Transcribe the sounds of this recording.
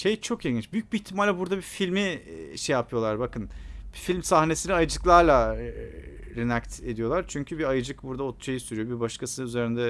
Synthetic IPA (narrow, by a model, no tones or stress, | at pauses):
ʃejt͡ʃʰo̞kiɡint͡ʃbyjyc̚biːçt̪ʰːimalʲːɛbuɾd̪abifilʲmiʃejapʰɯjo̞lˠaɾbakɯnb̥ifilʲmsahne̞siniajɯd͡ʒɯklˠaɾlˠa | ɾinakt̪e̞d̪ijo̞lˠaɾt͡ʃʰyɲcʰybiajɯd͡ʒɯkbuɾd̪aot̪̚t͡ʃʰajɯsyɾyjo̞bibaʃkʰasɯyze̞ɾind̪ɛ